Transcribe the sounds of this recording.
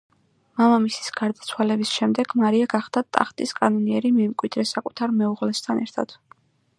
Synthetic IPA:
mamamisi̥sɡ̥aɾd̪at̪sʰwalɛbisʃɛmd̪ɛɡ̥maɾiaɡaχd̪at̪ʼa̰χt̪ʼiskʼanɔniɛɾimɛmkʼwid̪̥ɾɛsakʼut̪ʰaɾmɛuʁlɛst̪ʰanɛɾt̪ʰa̰d̪̥

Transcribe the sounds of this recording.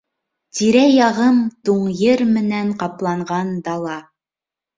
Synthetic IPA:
t̪iɾæjɑʁɤmt̪uɴjɘɾmɘ̆næɴqɑplˠɑɴʁɑnd̪ɑlˠɑ

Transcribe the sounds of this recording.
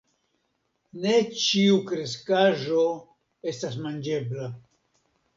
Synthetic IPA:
ne̞t͡ʃiukɾe̞skaʒo̞ | e̞stas̬mand͡ʒe̞bla

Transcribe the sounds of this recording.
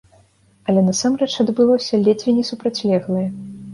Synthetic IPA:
ɐlʲɛnɐsamrɛt͡ʂɐd̪bɨlˠɔsʲɐlʲɛd͡zʲvʲinʲɛsupɾat͡sʲlʲɛɣlˠɐjɐ

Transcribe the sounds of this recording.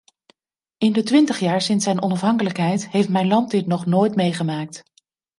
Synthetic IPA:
ɪndətʋɪntəχjaːɹsɪnsɛjnɔnɑfɦɑŋkələkɦɛjtɦejftmɛjnlɑnt̚dɪtnɔχnoːjtmejχəmaːk̚t

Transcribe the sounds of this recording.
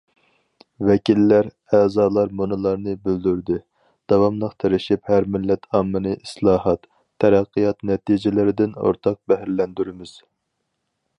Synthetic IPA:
vɛkʲilːæɾ | ɛːzɑːlˠɑɾmunɨlˠɑɾnɨbyld̪yɾd̪ɪ | d̪̥ɑwɑmlˠəqt̪ʰeɾɪʃiphæɾmɪlːɛt̪ʰɑmːɨnɨʔislˠɑːhɑt̪ʰː | ɛɾæqːijɑt̪nɛt̪id͡ʒɪlɪɾɪd̪ɪno̰ɾt̪ʰɑq̚bæɦæɾlɛnd̪yɾɪmɪz̥

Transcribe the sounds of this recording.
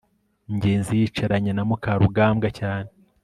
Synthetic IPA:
ɲɟe̞ːnzijit͡ʃaɾaɲanamukaɾuɡaːmɡacaːne

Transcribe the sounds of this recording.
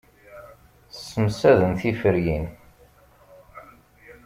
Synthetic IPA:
θsːəmsæðənθifəɾjin

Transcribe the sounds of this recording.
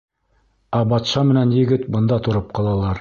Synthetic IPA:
æbɑt̪ʃɑmɘ̆nænjɘ̆ɡɘt̪bɤ̆nd̪ɑt̪ŏɾɤp̚qɑlˠɑlˠɑɾ

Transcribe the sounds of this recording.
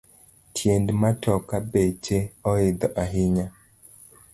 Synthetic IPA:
tʰjendmatɔkabet͡ʃeɔɪd̪ɔʔaɦɪɲa

